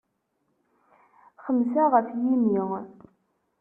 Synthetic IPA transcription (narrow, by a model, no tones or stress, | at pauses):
χəmsaʁəfjimi